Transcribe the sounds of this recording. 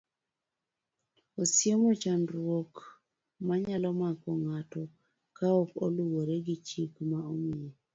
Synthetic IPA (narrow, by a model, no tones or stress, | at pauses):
osjemot͡ʃanɾwok | maɲalɔmakɔŋatɔ | kaokoluwoɾeɡɪt͡ʃikmaomie